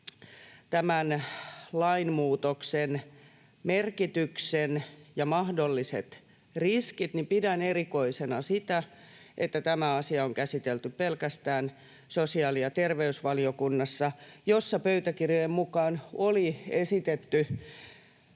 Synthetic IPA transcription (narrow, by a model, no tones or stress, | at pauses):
t̪æmænlɑinmuːt̪oksen | merkit̪yksenjɑmɑhdolːisḛt̪ | riskit̪nipidænerikoisenɑsit̪æ | ʔet̪ːæt̪æmæɑsiɑoŋkæsit̪elt̪yppelkæst̪æːn | sosiɑːliɑt̪erʋeysʋɑliokunːɑsːɑjosːɑpøyt̪ækirjoemmukɑːnoliesit̪et̪ːy